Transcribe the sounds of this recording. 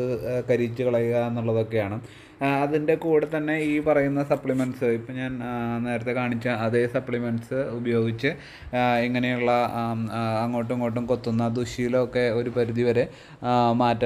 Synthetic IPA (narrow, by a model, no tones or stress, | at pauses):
ɨkɐɾit͡ɕːɨkɐɭɐjuɣɐe̞nːuɭːɐðo̞kːe̞jaːɳɨ | ɐðinde̞kuːɽɨt̪ɐnːe̞iːpɐrɐjunːɐsɐpɭimɐnsɨipːoɲaːnne̞ːɾɐt̪ːe̞kaːɳit͡ɕːaɐðe̞sɐpɭimɐnsɨubɐjo̞ːɡit͡ɕːɨ | iŋːɐne̞juɭːɐː | ŋːo̞ːʈ̬ːuŋːo̞ːʈ̬ːumko̞t̪ːunːɐd̪uɕijilokːe̞o̞ɾupɐɾuðiʋɐɾe̞ | maːtːɐ